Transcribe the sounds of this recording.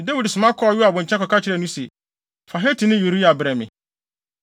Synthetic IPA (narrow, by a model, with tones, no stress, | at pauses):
de˦wi˨dsʊ˨mã˦kʰɔ˦˨ju˦a˨bʊ̃˨ɲ̩ʰ˨ɛ̃˦kɔ˨ka˦t͡ɕʰɪ˨ɾɛ˦˨nũ˦se˨ | fa˨ɦe˦tʰi˨nɪ̃˦ju˨ɾi˦a˨bɾɛ˨mɪ̰̃˨